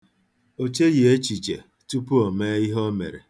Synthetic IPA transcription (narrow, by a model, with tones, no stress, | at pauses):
o˦t͡ʃe˦je˨e˦t͡ʃi˨t͡ʃḛ˨ | tu˦pu˦ɔ˨me˦i˦ɦɔ˦mḛ˨ɾḛ˨